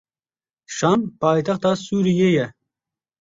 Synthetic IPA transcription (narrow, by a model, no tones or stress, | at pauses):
ʃampʰɑːjt̪ʰɐχt̪ɑsuːɾijejɛ